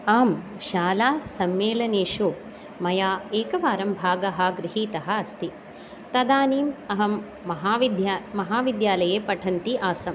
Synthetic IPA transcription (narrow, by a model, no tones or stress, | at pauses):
aːm | ʃaːlaːsɐmːeːlɐneːʂu | mɐjaːeːkɐʋaːɾɐmbʱaːɡɐɦɐɡɾɪɦiːt̪ɐɦɐ̆ɐst̪i | t̪ɐd̪aːniːmɐɦɐmː | ɐɦaːʋid̪jmɐɦaːʋid̪jaːlɐjeːpɐʈʰɐnt̪iʔaːsɐm